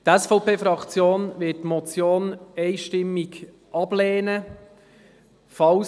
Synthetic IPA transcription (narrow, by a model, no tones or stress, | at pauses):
tɛsfɔʊpeːfɾɑkt͡sjoːnʋɪttmɔt͡sjoːnɛɪʃtɪmːɪk | ʔɑb̥leːnə | fɑw